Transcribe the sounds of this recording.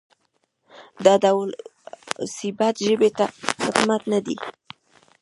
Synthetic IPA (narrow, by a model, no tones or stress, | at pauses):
d̪ad̪awl | sɪbat̪ʒəbet̪axɪd̪mat̪nad̪i